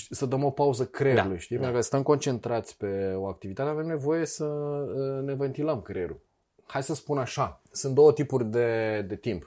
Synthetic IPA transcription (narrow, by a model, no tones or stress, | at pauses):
səd̪əmo̞pauzəkɾeuleʃt̪ijpeɾukəst̪əmko̞nt͡ʃe̞nt̪ɾat̪sʲpe̞o̞ak̚t̪ivit̪at̪eave̞mne̞vo̞je̞sə | nevent̪iləmkɾeɾṵl | hajsəspunaʃasɨnt̪̚d̪o̞wət̪ipurʲd̪e̞d̪e̞t̪imp